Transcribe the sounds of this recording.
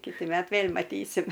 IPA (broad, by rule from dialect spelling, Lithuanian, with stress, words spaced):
ˈkʲɪtʲɪ ˈmʲɛt ˈʋʲeːlʲ mɐˈtʲiːsʲɪm